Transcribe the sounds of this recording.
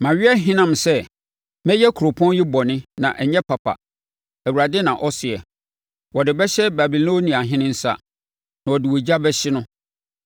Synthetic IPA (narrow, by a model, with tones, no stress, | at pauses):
mã˨ɥɪ˦ɛ˦ɦɪ̃˦nã˨m˨sɛ˦ | mɛ̃˦jɛ˦kʰu˨ɾo˨pʰɔ̃˦njɪ˦bɔ˨nɪ̃˦nã̰˨ʔɛ˨ɲɛ˦pʰa˨pʰa̰˨ | æ˨wu˨ɾa˨dɪ˦nã˨ʔɔ˦sɪ˨ɛ˨ | wɔ˨dɪ˨bɛ˦ɕɛ˦ba˨bi˨lõ˦nĩ˨a˨ɦɪ̃˦nɪ̃˦n̩˦sa̰˦ | nã˨wɔ˨dɪ˨wo˨d͡ʑa˦bɛ˦ɕɪ˦nʊ̃˦